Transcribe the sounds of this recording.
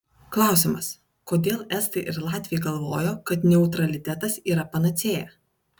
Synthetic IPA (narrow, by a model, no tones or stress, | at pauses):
klˠɑˑʊsʲɪmɐs | koːd̪ʲeːlˠɛst̪ɐɪʔɪɾlˠɑːt̪ʲʋʲɪjɛɡɐlˠʋo̰ːjoːkɐt̪nʲɛʊt̪ɾɐlʲɪt̪ʲɛt̪ɐsiːɾɐpɐnɐt̪sʲeːjɛ̰